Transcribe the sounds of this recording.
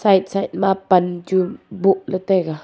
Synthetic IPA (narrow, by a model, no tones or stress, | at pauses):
sait̪̚sait̪̚mapand͡ʒubuʔlət̪eɡa